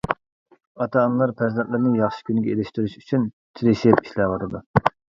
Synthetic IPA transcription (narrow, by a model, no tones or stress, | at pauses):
ɑt̪ʰɑːnlˠɑɾpʰɛɾzɛnt̪lɪɾnɨjɑχʃi̥kʲynɪɡʲɛelɪʃt̪yɾyʃyt͡ʃʰyn | t͡ʃ̪ʰiɾɪʃɪpi̥ʃlæʁəɾɨd̪u